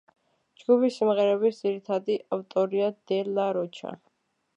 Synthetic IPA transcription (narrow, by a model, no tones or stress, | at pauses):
d͡ʒɡupʰisimʁɛɾɛbisd̪z̥iɾit̪ʰad̪iaft̪ʼɔɾiad̪ɛlaɾɔt͡ʃʰa̰